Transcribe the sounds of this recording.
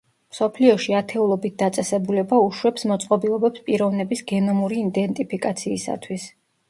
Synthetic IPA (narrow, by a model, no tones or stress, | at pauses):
msɔpʰliɔʃiat̪ʰɛulˠɔbit̪̚d̪at̪sʼɛsɛbulɛbauʃwɛpsmɔt̪sʼqʼɔbilˠɔbɛpspʼiɾɔvnɛbisɡɛnɔmuɾiːd̪ɛnt̪ʼipʰikʼat̪sʰiːsa̰t̪ʰwis